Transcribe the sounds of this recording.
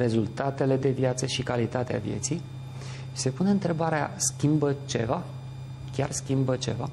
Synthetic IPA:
ɾe̞zult̪at̪e̞le̞d̪e̞vjat̪səʃikalit̪at̪ea̰vje̞t̪sij | se̞pune̞ɨnt̪ɾe̞baɾea̰skʲimbət͡ʃe̞̰va | kʲarskʲimbət͡ʃe̞̰va

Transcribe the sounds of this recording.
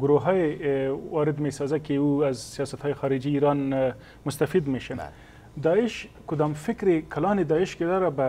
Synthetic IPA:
ɡʊɾoɦɑjewɑɾɪd̪mesɑzakeuazsijɑsat̪hɑjexɑɾɪd͡ʒiːɾɑn | mʊst̪afid̪meʃən | d̪ɑɪʃkʊd̪ɑmfɪkɾekalɑned̪ɑɪʃked̪ɑɾaba

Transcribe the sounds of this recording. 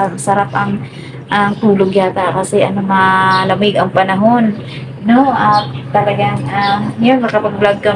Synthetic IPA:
asɐɾap̚ʔɐŋ | ʔaŋt̪uːloɡjaːt̪akɐsɛʔɐnomalɐmɪɡɐŋpɐnɐɦo̞n | noʔat̪ɐlɐɡaŋʔamjonmɐkɐpɐɡ̚blaɡ̚kɐ

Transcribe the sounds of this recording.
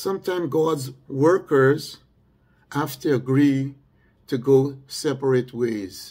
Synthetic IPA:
sʌ̃mtʰãɪ̃mɡɑdzwɜ˞kə˞z | ʔæftɨəɡɹi | tʰɨɡoʊsɛpə˞et̚ʰweɪz̥

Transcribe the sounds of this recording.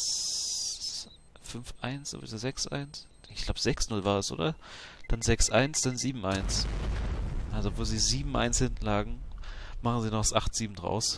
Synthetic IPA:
fʏnfʔa̰ɪnsz̥o̰ːvḭzozɛksʔa̰ɪns | ɪçɡ̥laʊbəz̥ɛksnʊlvaːɐdɛsʔo̰ːdɐd̥anzɛksʔaɪnsd̥anziːbm̩ʔaɪns | ʔalzoːv̥oːlziːziːbm̩ʔa̰ɪnshɪntn̩laːɡŋ̩maχn̩ziːnɔχsʔaχtz̥iːbm̩dʁa̰ʊs

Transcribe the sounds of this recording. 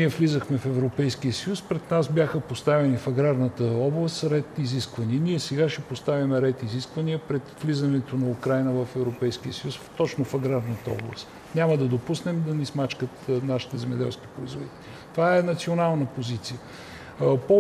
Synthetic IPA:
niɛvlizəxmɛfɛvɾopɛjskiəsəjuspɾɛd̪nasbjaxəpost̪avɛnifɐɡɾaɾnət̪əɔblˠəst̪ɾɛt̪iziskvɐniəniɛsɛɡaʃɛpost̪avimɛɾɛt̪iziskvəniəpɾɛt̪vlizənɛt̪onɐukɾajnəvəfɛvɾopɛjsk̟iəsəjust̪ɔt͡ʃnofɐɡɾaɾnət̪əɔ̰blˠə̰st̪ | nʲaməd̪ɐd̪opusnɛmd̪ɐnismat͡ʃkət̪naʃi̥t̪ɛzɛmɛd̪ɛ̰lˠsk̟i̥pɾoizvod̪it̪ɛlʲi | t̪ovaɛnɐt̪sionalˠnəpozit̪sijə | po

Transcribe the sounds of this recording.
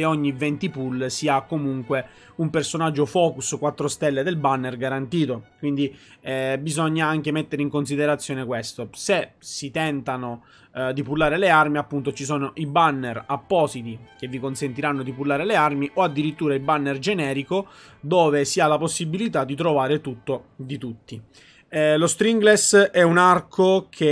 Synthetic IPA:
eoɲːivɛnt̪ipulsiakːomuŋkwe | umpersonad͡ʒːofɔːkuskwat̪ːɾost̪ɛlːed̪elbanːerɡaɾant̪iːt̪okwind̪iɛbizɔɲːaaŋk̟emet̪ːeɾeiŋkonsid̪eɾat̪sːjɔːnekwest̪osesit̪ɛnt̪ano | d̪ipulːaːɾelearmiapːunt̪ot͡ʃisoːnoʔibanːerapːɔːsit̪ik̟evːikonsent̪iɾanːod̪ipulːaːɾelearmiʔoad̪ːiɾit̪ːuːɾailbanːerd͡ʒenɛːɾikod̪oːvesialːaposːibilit̪ad̪ːit̪ɾovaːɾet̪ut̪ːod̪it̪ut̪ːi | lost̪ɾiŋɡlesɛunarkʰokʰe

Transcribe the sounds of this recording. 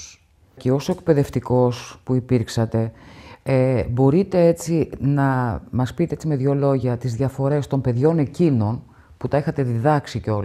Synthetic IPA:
ceo̞so̞ek̚pe̞ðe̞ft̪iko̞spuipiɾksɐt̪e̞ebo̞ɾit̪e̞e̞t͡sinɐmɐspit̪e̞et͡sime̞ðʝo̞lo̞ʝɐt̪izðʝɐfo̞ɾe̞st̪o̞mpe̞ðʝo̞ne̞cino̞n | put̪ɐexɐt̪e̞ðiðɐksiceo̞l

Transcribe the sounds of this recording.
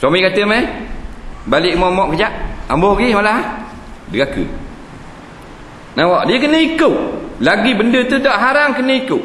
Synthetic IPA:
swamikat̪əma | baliʔmɔmɔʔkəd͡ʒaʔambɔhɡimalaɦ | dəɡakə̰ | nawɔʔdiəkənəikəʔlaɡibəndət̪udɔʔɦaɾaŋkənəikuʔ

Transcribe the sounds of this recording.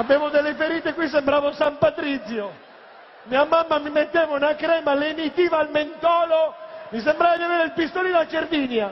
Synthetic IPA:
abeːvod̪elːefeɾiːt̪ekwis̬embɾaːvosampat̪ɾit̪sjo | miːamamːamimet̪ːeːvounakɾɛːmalemit̪iːvaːlment̪ɔːlomisembɾaːvad̪iaveːɾeilpist̪olid̪at͡ʃeɾviːnja

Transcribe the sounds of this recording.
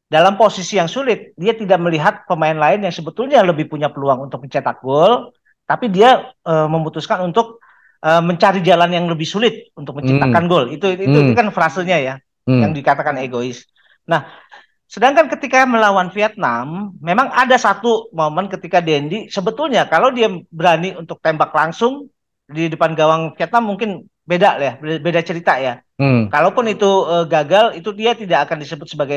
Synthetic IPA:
dalamposisijaŋsulɪt̪̚diat̪idak̚məliɦat̪̚pəmaɪnlaɪnjaŋsəbət̪ʊlɲaləbɪhpuɲapəluaŋunt̪ʊk̚məɲt͡ʃat̪ak̚ɡɔl | t̪apidiaəməmut̪uskanunt̪ʊk̚ | ʔəmːəɲt͡ʃaɾid͡ʒalanjaŋləbɪhsulɪt̪̚unt̪ʊk̚məɲt͡ʃipt̪akanɡolit̪uit̪ut̪ukanfɾasəɲaja | jaŋdikat̪akaneɡoɪs | nah | sədaŋkankət̪ikaməlawanfiat̪̚namːemaŋadasat̪umamankət̪ikadɛndisəbət̪ʊlɲakalawdiabəɾaniunt̪ʊk̚t̪embaklaŋsʊŋ | diidupanɡawaŋfiat̪̚namːuŋkɪn | bedaljabedat͡ʃəɾit̪aja | kalawpʊnit̪uəɡaɡalit̪udiat̪idaʔːkandisəbʊt̪̚səbaɡaj

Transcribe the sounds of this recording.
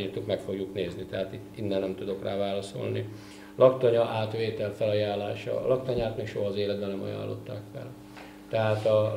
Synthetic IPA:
irt̪ːukmɛkfo̞ɡjukneːznit̪ɛɦaːt̪it̪ːinːɛnnɛmt̪ud̪o̞kraːvaːlɒso̞̰lni | lʔɒkt̪ɒɲɒʔaːt̪ʋeːt̪ɛlfɛlɒjaːlːaːʃɒ̰lɒkt̪ɒɲaːt̪meːkʃoɦɒːzeːlɛd̪̚bɛnnːɛmɒ̰ja̰ːlːo̞̰t̪ːa̰ːkfɛ̰l | t̪ɛɦaːt̪ɒ

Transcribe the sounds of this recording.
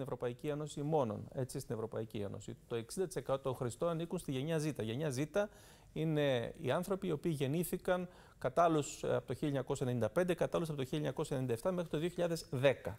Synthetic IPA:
inevɾo̞pɐicie̞no̞simo̞no̞̰ne̞t͡sist̪ine̞vɾo̞pɐ̰iciḛno̞̰sḭt̪o̞e̞ksind̪ɐt̪ise̞kɐt̪ot̪o̞ŋxɾist̪o̞nɐnikunst̪iʝe̞ɲɐzit̪ɐʝe̞ɲɐzit̪ɐ | ine̞ḭɐnθɾo̞piːo̞piːʝe̞niθikɐŋ | kɐt̪ɐlusɐ̰pot̪oçiʎɲɐko̞sɐenenind̪ɐpe̞nd̪e̞kɐt̪ɐlusɐpot̪oçiʎɲɐko̞sɐenenind̪ɐeft̪ɐmexɾit̪o̞ðio̞çiʎɐðe̞zðe̞kɐ

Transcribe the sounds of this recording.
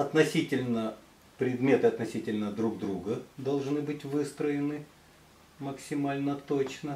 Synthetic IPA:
ɐt̪nɐsʲitʲɪlʲnə | pɾʲɪd̪mʲe̞t̪ɨɐt̪nɐsʲitʲɪlʲnəd̪ɾuɡd̪ɾuɡəd̪ɐlˠʐnɨbɨtʲvɨst̪ɾəɪnɨ | məksʲɪmalʲnət̪ot͡ɕnə

